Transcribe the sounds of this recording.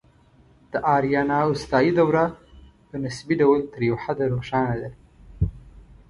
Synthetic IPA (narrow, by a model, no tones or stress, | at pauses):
d̪̥əʔaːɾijanaːʊst̪aːjid̪awɾa | pənɪsbiɖawəlt̪əɾjewħad̪aɾoʃaːnad̪aɾ